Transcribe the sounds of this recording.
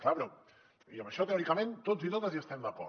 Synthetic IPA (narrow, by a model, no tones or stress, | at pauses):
klapɾɛ | iəməʃɔt̪eɔɾikəmẽnt̪od͡zit̪ot̪əziəst̪ɛmd̪ɐkɔ̰